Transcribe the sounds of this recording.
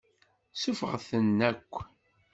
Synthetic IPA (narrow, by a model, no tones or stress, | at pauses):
sufəʁθənːækʷː